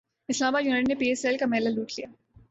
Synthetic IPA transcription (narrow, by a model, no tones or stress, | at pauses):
ɪslaːmbaːd̪juːnəʈnepiːeːselkamɛːlaluːʈʰlijaː